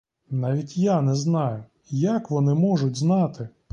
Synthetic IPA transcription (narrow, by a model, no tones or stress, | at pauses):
nɑʋʲitʲjanɛznɑjʊ | jakʋɔnɪmɔʒʊtʲznɑt̪ɪ